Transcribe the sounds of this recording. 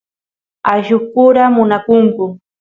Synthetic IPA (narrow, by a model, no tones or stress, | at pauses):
aʒʊkʊɾamʊnakʊŋkʊ